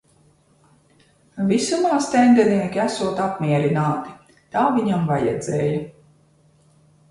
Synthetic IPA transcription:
visumaːst̪ʲɛnd̪ɛniɛkʲiæsuɔt̪apmiɛɾinaːt̪i̥ | t̪aːviɲamvajɛ̰d̪zɛːjɐ

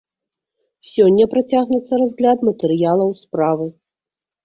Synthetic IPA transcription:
sʲɔnʲːɐpɾat͡sʲaɣnut̪sːɐɾazʲɣlʲad̪mɐt̪ɛɾɨjalˠɐwspɾavɨ

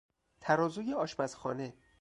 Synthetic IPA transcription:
t̪ʰæɾɒːzujeɒːʃbæzxɒ̰ːne

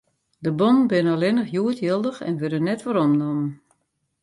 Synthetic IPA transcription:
dəbɔn̩bɪnəəlɪnəχjuətʰjəlˠdəxɛ̰nʋødənɛtʋɔɾɔmnɔmən

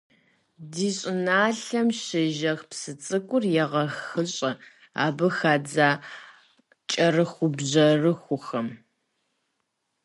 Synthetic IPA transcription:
diːɕʼɪnaːɬɐmʃɪʒɐxpsɨt͡sʼɨkʷʼʊrjɛʁɐxɨɕʼɐ | a̰ːbɨxaːd͡zaː | t͡ʃʼɐrɨxʷʊbʑɐrɨxʷʊxɐm

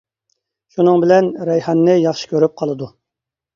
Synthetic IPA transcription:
ʃunɨŋbɪlɛnɾɛjhɑnːɪjɑχʃi̥kʲʰøɾyp̚qʰɑlˠɨd̪u

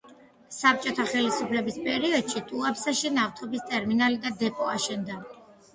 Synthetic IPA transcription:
sap̚t͡ʃʼɔt̪ʰaχɛlisupʰlɛbispʼɛɾiɔd̪̥ʃit̪ʼuapsaʃinaft̪ʰɔbist̪ʼɛɾminalid̪ad̪ɛpʼɔaʃɛnd̪a

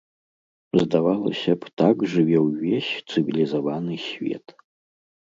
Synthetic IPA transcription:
zdavalɐ̰ɕʲɐpʰtʰakʐɨvʲewːeɕt͡sʰɨvʲilʲizovanɨɕvʲḛtʰʼ

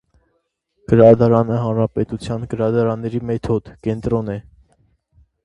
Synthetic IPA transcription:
ɡ̥əɾɑd̪ɑɾɑnəɦɑnɾɑpɛt̪ut͡sʰjɑnɡəɾɑd̪ɑɾɑnːɛɾimɛt̪ʰɔd̪kɛnt̪ɾɔnɛ

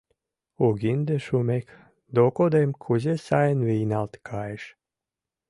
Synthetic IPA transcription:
uɡʲind̪eʃumʲek | d̪okod̪emkʰuzʲesajnviːnalˠt̪kʰajʃ

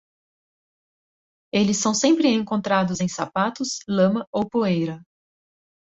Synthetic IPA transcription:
elɪsːɐ̃w̃sẽmpɾɪẽŋkõnt̪ɾad̪ʊzẽj̃sa̰pat̪ʊslɐ̃mɐowpoejɾɐ

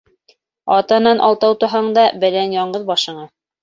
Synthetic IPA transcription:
ɑt̪ɑnɑnʔɑ̰lˠt̪ɑwt̪ɤ̆ɦɑɴd̪ɑbɘ̆lænjɑɴɢɤðbɑʃɤ̆ɴɑ

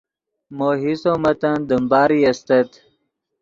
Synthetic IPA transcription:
moːɦisomɐt̪ɐnd̪əmbaːɾiɐst̪ɐt̪

